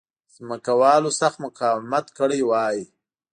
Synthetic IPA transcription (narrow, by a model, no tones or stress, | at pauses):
zməkawɑlosaxt̪mʊkɑwmat̪kəɽəjwɑːji